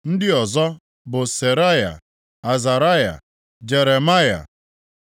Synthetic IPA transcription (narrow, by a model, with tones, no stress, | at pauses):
n̩˦dɪ˦ɔ˨zɔ˦ | bʊ˨se˨ɾa˦ja̰˨ | a˨za˨ɾa˦ja̰˨ | d͡ʒe˨ɾe˨ma˦ja̰˨